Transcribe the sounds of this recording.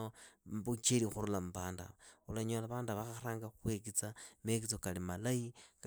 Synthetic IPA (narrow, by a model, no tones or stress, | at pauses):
obut͡ʃelixuɾulamubaːnda̰βaulaɲolaβaːndβaxaxɾaːŋɡaxwek̬it͡samek̬it͡sokalimalaik